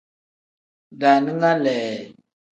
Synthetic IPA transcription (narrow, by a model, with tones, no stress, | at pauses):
da˨ni˦ŋa˦lɛː˨